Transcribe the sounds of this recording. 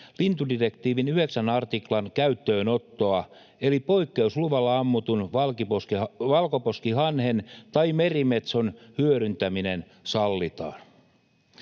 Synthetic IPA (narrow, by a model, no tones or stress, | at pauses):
lint̪udirekt̪iːʋinyheksænɑrt̪iklɑnkæyt̪ːø̞ːno̞t̪ːo̞ɑ | elipo̞ikːeusluʋɑlːɑɑmːut̪unʋɑlkiposkiʋɑlkoposkihɑnhent̪ɑimerimet̪sonhyøɾynt̪æminen | sɑlːit̪ɑ̰ːn